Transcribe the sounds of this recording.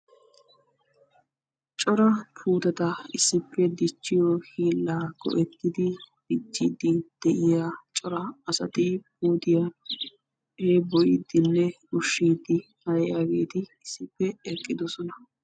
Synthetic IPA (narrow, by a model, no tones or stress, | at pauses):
t͡ʃʼɔɾɐpʰuːt̪ɐt̪ɐɪsːɪpːɛd̪ɪt͡ʃːɪjɔhiːlːaːɡ̥ɔ̰ʔɛt̪ːɪd̪ɪb̥ɪt͡ʃːid̪ɪd̪̥ɛʔɪjaːt͡ʃʼɔɾɐɐsɐt̪ɪp̚uːt̪ɪja | heːbɔjɪd̪ɪnːɛ | ʊʃːiːd̪ɪ | hɐjɛjaɡe̞ːt̪ɪɪsːɪpːɛɛkʼːɪd̪ɔsɔnɐ